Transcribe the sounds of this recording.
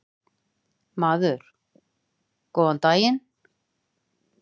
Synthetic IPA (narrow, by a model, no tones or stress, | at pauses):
maːðʏɾ̥ | kɔːant̪aːjɪn